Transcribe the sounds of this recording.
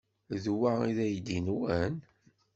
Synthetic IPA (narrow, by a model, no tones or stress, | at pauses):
ðwaiðæjd̪inuæn